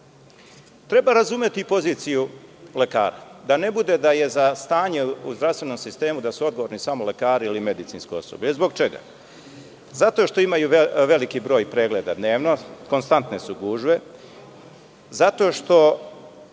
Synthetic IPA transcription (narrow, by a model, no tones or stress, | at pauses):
t̪ɾe̞baɾazume̞t̪ipo̞ziːt̪sijule̞ka̰ːɾa̰d̪ane̞bud̪e̞d̪aje̞zast̪aːɲe̞uzd̪ɾast̪ʋe̞no̞msist̪e̞ːmud̪asuod̪ɡoʋoɾnisamole̞kaːɾiilime̞d̪it̪sinskojo̞̰so̰bʲlʎezbo̞ɡt͡ʃe̞ɡa̰ | zat̪o̞ʃt̪o̞imajuʋe̞likibɾo̞ːjpɾe̞ːɡle̞ːd̪ad̪ne̞ːʋno̞ko̞nst̪ant̪ne̞suɡuːʒʋe̞ | zat̪o̞ːʃt̪o̞